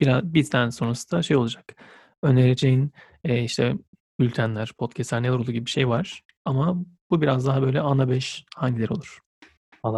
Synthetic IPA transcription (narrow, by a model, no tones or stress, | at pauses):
biɾabit̪ʰænso̞nɾasɯ̥d̪aʃe̞jo̞lˠud͡ʒak | øneɾed͡ʒejin | ɛːiʃt̪ʰɛ | bylʲt̪ʰænlʲæɾ̥pʰo̞t̪cʰɛslʲæɾneɾouːɟibibiʃe̞jvaɾ̥ | amabubiɾazd̪aɦabø̞jlʲɛanabɛʃhaɲɟilʲeɾo̞lˠuɾ̥